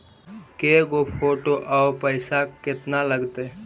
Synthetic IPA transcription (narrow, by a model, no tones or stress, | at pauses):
keɡopʰoːʈoʔaopəɪsakɪt̪naləɡt̪e